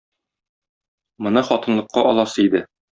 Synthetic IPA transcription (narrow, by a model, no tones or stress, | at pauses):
mɤ̆nɤχɒt̪ɤ̆nlˠɤ̆qːɑʔɒlˠɑsɤid̪ɘ